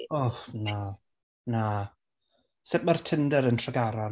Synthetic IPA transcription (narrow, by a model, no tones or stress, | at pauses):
ɔfna | na | sɪʔmartʰəndəɾəntʰraɡaɾɔ